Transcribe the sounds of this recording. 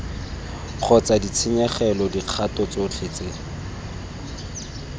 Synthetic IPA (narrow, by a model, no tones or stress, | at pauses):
q͡χʰɔt͡sadit͡sʰɪɲɛχɛlɔdiq͡χʰatɔt͡sot͡ɬʰet͡se